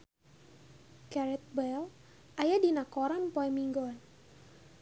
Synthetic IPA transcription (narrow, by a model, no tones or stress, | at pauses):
kɛɾɛt̪̚bɛl | ʔajadinakɔɾanpɔɛmiŋɡɔn